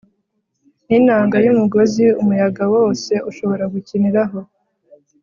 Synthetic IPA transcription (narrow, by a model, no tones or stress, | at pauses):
ninaːŋɡajumuɡo̞ziumujaɡawo̞ːse̞ʔuʃo̞βo̞ɾaɡuciniɾaɦo̞